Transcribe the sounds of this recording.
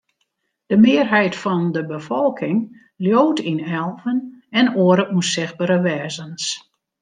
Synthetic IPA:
d̥əmɪːrɦɛjtfɔndəbəfɔlˠkʰɪŋ | ljoːtʰinɛlˠvənɛnoəɾəʔunsɪx̚baɾəʋɛːzəns

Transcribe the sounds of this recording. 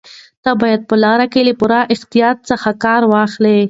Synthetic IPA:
t̪abɑjad̪̚pəlɑɾakelepuɾaʔɪxt̪ijɑt̪̚səxakɑɾwɑxle

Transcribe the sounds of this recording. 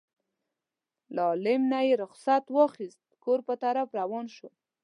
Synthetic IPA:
lɑlɪmnajeɾʊxsat̪wɑxist̪̚koɾpət̪aɾafɾawɑnʃo

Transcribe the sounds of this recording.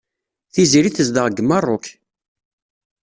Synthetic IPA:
θiziɾiθəzd̪əʁɡəmːərˤːʊk

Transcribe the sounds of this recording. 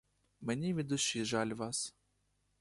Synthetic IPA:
menʲiʋʲid̪ʊʃiʒɑlʲʋɑs

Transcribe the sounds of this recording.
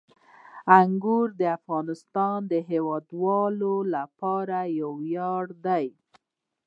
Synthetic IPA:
aŋɡuɾd̪əafɣɑnɪst̪ɑnd̪əɦewɑd̪wɑlolapɑɾajawjɑɽd̪aj

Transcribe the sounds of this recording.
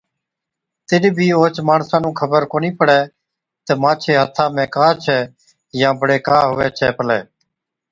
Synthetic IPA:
t̪ɪɗbʱiːoːt͡ʃmaːɳsãːnũːkʰəbəɾkoːniːpəɽɛː | t̪ɛːmãːt͡ʃʰeːɦət̪ʰãːmɛ̃ːkaːt͡ʃʰɛː | jãːbəɽeːkaːɦʊʋɛːt͡ʃʰɛːpəlɛ̰ː

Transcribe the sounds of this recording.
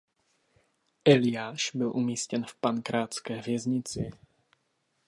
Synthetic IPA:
ʔɛlɪjaːʃbɪlʔumiːscɛnfpankɾaːt͡skɛːvjɛzɲɪt͡sɪ̰

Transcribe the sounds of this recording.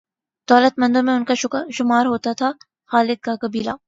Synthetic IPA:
d̪̥ɔːlət̪mɐ̃nd̪õmẽʊnkaʃʊkʃʊmaːɾɦoːt̪at̪ʰa | xaːlɪd̪̚kakɐbiːlaː

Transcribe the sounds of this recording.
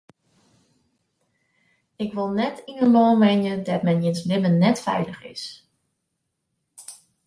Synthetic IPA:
ɪkʋɪlˠnɛtinənlɔːmɛnjədɔtmɛnjɪnslɪmənːɛtfɛ̰jləχɪ̰s

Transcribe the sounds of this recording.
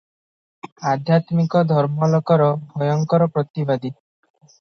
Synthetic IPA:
ad̪ʱjat̪mikɔd̪ʱɔɾmɔlɔkɔɾɔbʱɔjɔŋkɔɾɔpɾɔt̪ibad̪i

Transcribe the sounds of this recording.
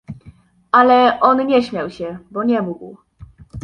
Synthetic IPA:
ʔalɛʔɔnɲɛɕmʲjawɕɛbɔɲɛmuɡw

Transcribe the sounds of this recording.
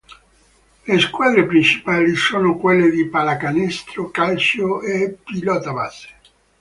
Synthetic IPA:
leskwaːd̪ɾepɾint͡ʃi̥paːlisoːnokwelːed̪ipalakanɛst̪ɾokalt͡ʃoepilɔt̪abase̥

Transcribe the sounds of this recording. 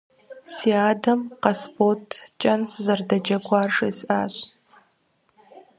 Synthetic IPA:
siaːdɐmqɐsportʰt͡ʃʼɐnszɐrdɐd͡ʒɐɡʷʰaːrʂɐjsʔa̰ːɕ

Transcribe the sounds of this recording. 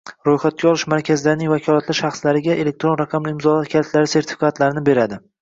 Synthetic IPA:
ɾojχat̪̚kʲaɒlˠɪʃmaɾkʲʰazɪlaɾɪnɪŋʲvakʲʰɒlˠat̪ʰlɪʃaχslaɾɪɡʲaʔe̞le̞k̚t̪ɾo̞nɾɑqʰɑmlɪɪmzɒlat̪kʲʰalt̪laɾɪse̞ɾt̪ʰɪ̥fʲikʰat̪laɾɪnɪbe̞ɾad̪ɪ

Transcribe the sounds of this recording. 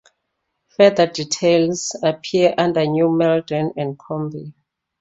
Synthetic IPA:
fɛdəditʰelsapʰiəʔãndənumɛldɔ̃nɛ̃nd̚kʰɔ̃mbi

